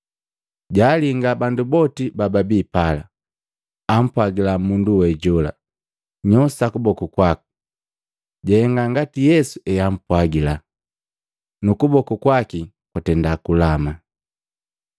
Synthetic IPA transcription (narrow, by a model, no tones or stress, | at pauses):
ɟaːliŋɡabandubɔtibababiːpala | am̩pwaɡilamunduwɛɟɔla̰ | ɲɔsakubɔkukwaku̥ | ɟɛɛŋɡaŋɡatijɛsuɛjam̩pwaɡila | nukubɔkukwaki | kwatɛndakulama